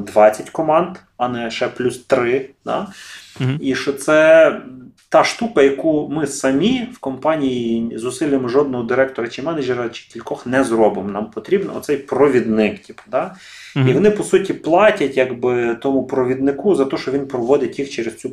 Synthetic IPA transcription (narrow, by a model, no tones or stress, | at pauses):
d̪ʋɑt͡sʲːɐtʲkɔmɑnd̪ | ɐnɛʃɛplʲust̪ɾɪd̪ɑ̰ | iʃt͡ʃɔt̪sɛ | t̪ɑʃt̪ukɐjɐkumɪsɐmʲiwkɔmpɑnʲijizʊsɪlʲjemɔʒɔd̪̚nɔɦɔd̪ɪɾɛkt̪ɔɾɐt͡ʃɪmɛnɐd͡ʒeɾɐt͡ʃɪ̥kʲilʲkɔxnɛzrɔbɪmnɑmpɔt̪ɾʲibnɔ̰ɔ̰t̪sɛjpɾɔʋʲid̪nɪktʲipd̪ɑ | iʋɔnɪpɔsutʲiplˠɑtʲɐtʲjaɡbɪt̪ɔmʊpɾɔʋʲid̪nɪkuzɐt̪ɔʃɔʋʲinpɾɔʋɔd̪ɪtʲjixt͡ʃɛɾest͡sʲu